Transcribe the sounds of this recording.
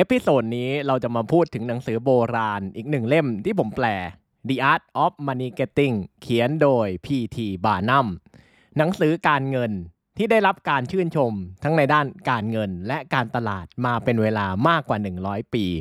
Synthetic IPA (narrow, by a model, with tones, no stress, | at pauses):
ʔe˦˥pʰːi˧˩soː˨˩t̪̚niː˦˥ɾa˧wt͡ɕa˨˩maː˧pʰuː˥˩t̪ʰːɯ˩˦ŋna˩˦ŋsɯː˩˦boː˧ɾaː˧nʔiː˨˩k̚nɯ˨˩ŋle˥˩mt̪ʰiː˥˩pʰo˩˦mplɛː˨˩ | diː˧ʔaː˦˥t̪̚ʔɔ˦˥p̚maː˧niː˧ke˦˥t̪ːi˥˩ŋkʰi˩˦əndoː˧jpʰiː˧t̪ʰiː˧baː˧˩na˥˩m | na˩˦ŋsɯː˩˦kaː˧nŋɤ˧n | t̪ʰiː˥˩da˥˩jɾa˦˥p̚kaː˧nt͡ɕʰɯː˥˩nt͡ɕʰo˧mt̪ʰa˦˥ŋna˧jdaː˥˩nkaː˧nŋɤ˧nlɛ˦˥ʔkaː˧nt̪a˧la̰ː˨˩t̪̚maː˧pe˧nweː˧laː˧maː˥˩kːwaː˨˩nɯ˨˩ŋɾɔː˦˥jpiː˧